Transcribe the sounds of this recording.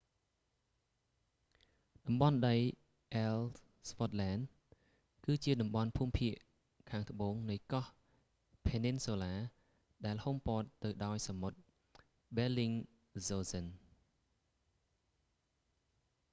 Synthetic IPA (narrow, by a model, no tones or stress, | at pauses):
ɗɑmɓɑnɗəj | ʔɛl | spot̪̚lɛːn | kɨːt͡ɕiəɗɑmɓɑnpʰuːmpʰiəʔ | kʰaːŋt̪ə̆ɓoːŋnɨjkɑh | pʰeːninsoːlaː | ɗaɛlhompoːt̪ːɨwɗaɔjsamot̪̚ | ɓɛliŋ | zoːsən